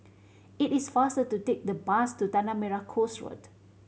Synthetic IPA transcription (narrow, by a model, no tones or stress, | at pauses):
itisfastətutek̚dəbastut̪anamɛɹakʰosɹɔ̰d